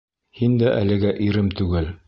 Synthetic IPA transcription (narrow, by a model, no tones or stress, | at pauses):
hind̪æʔæ̰lɘ̆ɡæʔiɾɘmt̪ʉɡɘl